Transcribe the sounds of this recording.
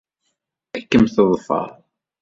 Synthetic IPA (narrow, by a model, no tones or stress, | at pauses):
ækːəmθəðˤfɑ̰ðˤ